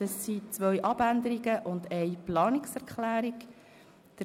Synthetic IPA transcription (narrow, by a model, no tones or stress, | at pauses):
d̥ɑsːit͡sʋœjʔɑbænd̪əɾiɡəʔʊnd̪ɛɪplɑːnɪksɛɾkχlæːɾik | d̥ə